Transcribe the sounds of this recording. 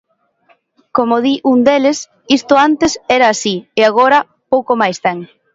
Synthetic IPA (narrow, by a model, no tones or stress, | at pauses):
komoðiʔund̪eles | ist̪ʊant̪esɛɾɐːsieaɣ̞oɾɐ | powkomajst̪ɛŋ